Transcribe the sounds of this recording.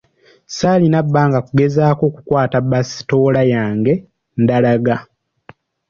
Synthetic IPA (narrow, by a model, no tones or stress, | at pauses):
saːlinabːaːŋɡakuɡe̞zaːko̞ːku̥kwaːtabasi̥to̞ːlajaːŋɡe̞ | ndalaɡa